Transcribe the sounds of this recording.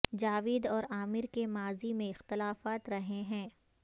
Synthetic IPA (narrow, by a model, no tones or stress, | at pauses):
d͡ʒaːʋɪːd̪ɔːɾaːmɪɾkemaːzimẽɪxt̪ɪlaːfaːt̪ɾɐɦeɦɛ̃ː